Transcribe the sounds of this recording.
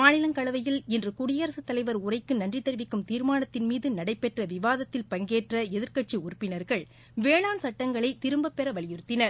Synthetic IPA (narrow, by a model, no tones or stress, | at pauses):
maːnɪlɐŋkɐɭɐʋɐjɪlɪndrɯkʊɽɪjɐɾɐsɯt̪ːɐlɐɪʋɐɾʊrɐɪkːɯnɐndrit̪ːɐɾʋɪkːɯmt̪iːɾmaːnɐt̪ːɪnmiːðɯnɐɽɐɪpːɛʈrɐʋɪʋaːðɐt̪ːɪlpɐŋɡeːʈrɐɛðɪɾkɐʈ̚t͡ʃiʊrpːɪnɐɾɣɐɭ | ʋeːɭaːnsɐʈːɐŋɡɐɭɐɪt̪ɪɾɯmbɐpːɛɾɐʋɐɭɪjɪɾɯt̪ːɪnɐɾ